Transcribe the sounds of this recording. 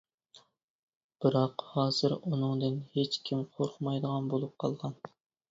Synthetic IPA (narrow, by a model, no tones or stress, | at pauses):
b̥ɨɾɑqhɑːz̥ɨɾunɨŋd̪ɪnhet͡ʃkʲʰimqʰoɾχʰmɑjd̪əʁɑnbolˠup̚qʰɑ̰lˠʁɑn